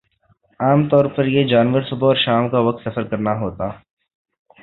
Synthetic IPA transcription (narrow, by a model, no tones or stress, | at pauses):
aːmt̪ɔːɾpɐɾjed͡ʒaːnʋəɾsʊbʱaɔːɾʃaːmkaʋɐk̚t̪sɐfəɾkɐɾnaɦoːt̪aː